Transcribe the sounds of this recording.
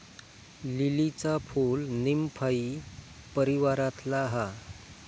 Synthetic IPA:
lilit͡sapʰulnimpʰai | pəɾiʋaɾat̪laɦa

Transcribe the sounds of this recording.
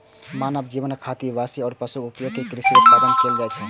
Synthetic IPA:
manəb̚d͡ʒibənkʰat̪ibasiɔːɾpəsuupjokekɾɪsibəd̪ənkeld͡ʒat͡ʃʰɛ

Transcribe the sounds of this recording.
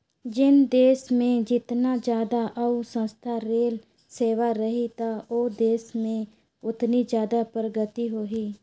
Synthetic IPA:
d͡ʒɪnd̪eːsmẽd͡ʒɪt̪naːd͡ʒjaːd̪aʔəusə̃nst̪ʰaɾeːl | seːʋaɾəɦit̪aoːd̪eːsmẽ | ʊt̪nid͡ʒjaːd̪apɾəɡət̪iɦoːɦiː

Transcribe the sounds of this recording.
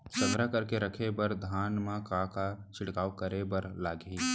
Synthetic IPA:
səŋɡɾakəɾkeɾəkʰebəɾd̪ʱaːnmãkãkat͡ʃʰɪɽkaːwkəɾebəɾlaːɡi

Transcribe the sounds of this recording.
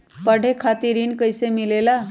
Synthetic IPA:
pəɽʱekʰat̪iɾiːnkəjsemilela

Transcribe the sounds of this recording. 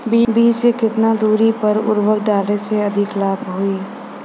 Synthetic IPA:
bbiːt͡ʃekɪt̪nad̪uːɾipɐɾʊ̰ɾwəkɖaːleseɐd̪ʱɪklaːbɦʊiː

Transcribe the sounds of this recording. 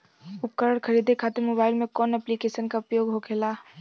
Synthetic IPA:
ʊp̚kəɾəɽkʰɐɾiːd̪ʱekʰaːt̪eɾmoːbaːɪlmẽkɔːnɛplikeːʃənkaʊpjoːɡɦokʰeːlaː

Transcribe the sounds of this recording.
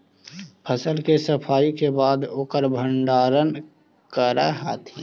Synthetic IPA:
pʰəsəlkesəpʰaːikebaːd̪oːkəɾbʱə̃ɳɖaːɾən | kəɾa̰ɦaːt̪ʰḭ̃ː

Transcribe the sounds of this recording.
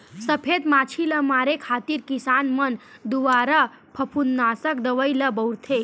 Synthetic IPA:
sɐpʰed̪maːt͡ʃʰiləmaːɾekʰaːt̪iːɾkisaːnmɐnd̪uʋaːɾa | pʰɐpʰunːaːsɐk̚d̪ɐʋəjlɐbɐwɾt̪ʰe

